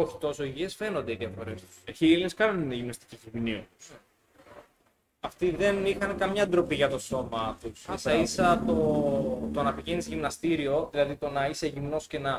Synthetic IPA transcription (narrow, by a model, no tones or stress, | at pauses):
oçi̥t̪o̞so̞iʝie̞sfe̞nond̪eiðiɐfo̞ɾe̞st̪u̥eçiilineskɐnonineʝimnɐst̪i̥ciçiviniu | ɐft̪iðe̞nixɐnekɐmɲɐnd̪ɾo̞piʝɐt̪o̞so̞mɐt̪ussɐisɐt̪o̞t̪oɐnɐpiʝenizʝimnɐst̪iɾio̞ðilɐðit̪o̞nɐise̞ʝimno̞scenɐ